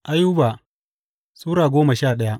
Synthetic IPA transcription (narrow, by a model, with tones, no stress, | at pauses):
ʔa˦juː˦baː˨ | suː˦ɾaː˨ɡʷoː˦ma˨ʃaː˦˨ɗɐ˦ja˦